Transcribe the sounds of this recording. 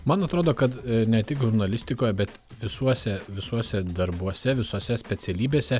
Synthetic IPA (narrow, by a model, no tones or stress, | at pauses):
mɐnɐt̪ɾoːd̪oːkɐt̪nʲɛt̪ʲɪkʒʊɾnɐlʲɪsʲt̪ʲɪkoːjɛbʲɛt̪ | ʋʲɪsuɔsʲɛʋʲɪsuɔsʲɛd̪ɐɾbuɔsʲɛʋʲɪsoːsʲɛsʲpʲɛt̪sʲɛlʲiːbʲeːsʲɛ